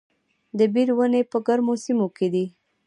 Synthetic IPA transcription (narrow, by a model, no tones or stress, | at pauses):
d̪əbiɾwənepəɡaɾmosimoked̪i